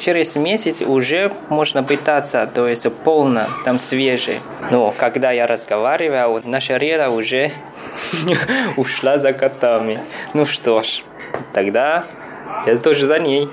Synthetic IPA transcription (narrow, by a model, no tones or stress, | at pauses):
t͡ʃɪɾʲɪzmʲesʲɪt̪sʊʐɛmoʐnəpɨt̪at̪sət̪ojɪsʲpo̞lˠnət̪amsvʲeʐɨ̰j | nukɐɡd̪ajaɾʔəzɡɐvaɾʲɪvəjnaʂəɾʲed̪ɐʊʐɛ | ʊʂlˠazɐkɐt̪amʲɪnuʂt̪oʂ | t̪ɐɡd̪a | jat̪oʐɨzɐnʲej